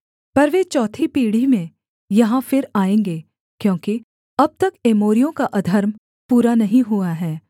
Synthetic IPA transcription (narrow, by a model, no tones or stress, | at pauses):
pɐɾʋet͡ʃɔːt̪ʰipiːɽ̤imẽ | jɐɦãfɪɾaːẽːŋɡeː | kjõːki | ɐb̚t̪ɐkeːmoːɾijõkaʔɐd̪ʱɐɾm | puːɾanɐɦĩɦuaɦɛː